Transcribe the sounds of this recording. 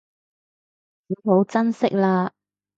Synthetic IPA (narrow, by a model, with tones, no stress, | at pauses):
iː˨˥ɦo˨˥wt͡sɐ˥nsɪ˥k̚laː˧